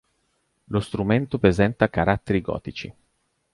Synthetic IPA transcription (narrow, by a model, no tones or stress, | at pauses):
lost̪ɾument̪opɾezɛnt̪akaɾat̪ːeɾiɡɔ̰ːt̪it͡ʃḭ